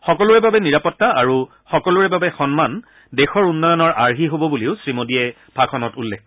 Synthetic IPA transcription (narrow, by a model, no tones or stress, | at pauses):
xɔkɔlʊɹɛbabɛniɹapɔtːaaɹu | xɔkɔlʊɹɛbabɛxɔnman | dexɔɹunːɔjɔnɔɹʔaɹɦiɦobɔbuliʊsɹimodiɛ | bʱakʰɔnɔtulːɛk̚